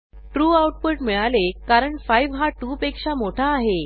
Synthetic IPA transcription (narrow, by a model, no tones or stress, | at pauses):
ʈɾuːawʈ̚pəʈmiɭalekaɾəɳfajʋɦaʈuːpekʂamoʈʰaːɦe